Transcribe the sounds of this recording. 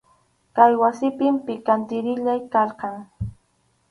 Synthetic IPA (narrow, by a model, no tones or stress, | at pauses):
kajwasɪpɪmpɪkant̪ɪɾɪʎajkɑɾqɑŋ